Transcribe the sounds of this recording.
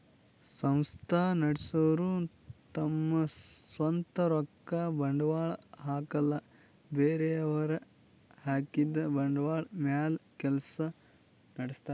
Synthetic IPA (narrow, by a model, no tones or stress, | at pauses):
sɐ̃mst̪ʰaːnɐɽisɐʋɐɾu | t̪ɐmːɐsʋɐnt̪ɐɾɔkːɐbɐɳɖʋaːɭɦaːkɐlːɐ | beːɾeɐʋɐɾɐ | haːkid̪ɐbɐɳɖʋaːɭmjaːlkɛlɐsɐ | nɐɽist̪aː